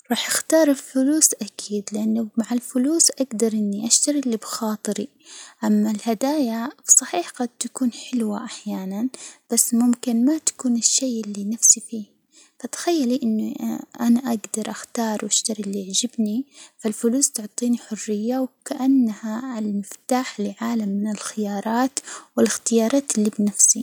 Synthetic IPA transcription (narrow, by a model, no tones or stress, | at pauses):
ɾˤɑːħʔaxt̪ɑːɾˤɪlfʊluːsʔakʰiːd̪lɪʔanːʊmaʕɪlfʊluːsʔaɡd̪ɑɾˤʔɪnːiʔaʃt̪aɾilːibxɑːt̪ˤɨɾi | ʔamːalhad̪aːjafsˤɑħiːħɡad̪̚t̪akuːnħɪlwaʔaħjaːnanb̥asːmʊmkɪnmat̪ḁkuːnɪʃːeːʔɪlːinafsifiː | fat̪ḁxajːaliʔɪnːʔanaʔaɡd̪ɑɾˤʔaxt̪ɑːɾˤwʔaʃt̪aɾilːiʕd͡ʒɪbnifalfʊluːst̪ʊʕt̪ˤiːniħʊrːɪjːawkaʔanːahaɪlmɪft̪aːħlɪʕaːlamːɪnɪlxɪjɑːɾˤɑːt̪wɪlɪxt̪ɪjɑːɾˤɑːt̪ɪlːibnafsi